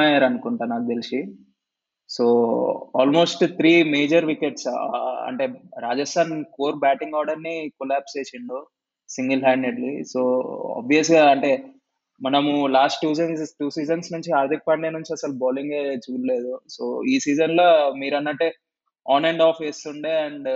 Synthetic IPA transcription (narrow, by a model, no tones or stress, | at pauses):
ajaːɾɐnukuɳʈaːnaːk̚d̪elisi | soːa̰ːlmoːsʈt̪ʰɾiːmeːd͡ʒɐɾʋikeʈsɐ̰ɳʈe̞ɾaːd͡ʒɐsʈʰaːnkoːɾbaːʈiŋɡɔːɾɖɐɾnikɔlaːpst͡ʃeːsiɳɖu | siŋɡɐlɦaːɳɖeɖlḭsoːɔ̰ːbʋiɐs̬ɡaːɐɳʈe | mɐnɐmulaːsʈːuːsinssʈuːsiːd͡ʒɐnsnuɲt͡ʃiaːɾd̪ik̚pɐɳɖenuɲt͡ʃiɐsɐlubɔːliŋɡe̞ːt͡ʃuːɾle̞ːd̪usoːiːsiːd͡ʒɐnloːmiːɾɐnːɐʈːeː | ɔːneɳɖaːpʰesuɳɖeɐɳɖ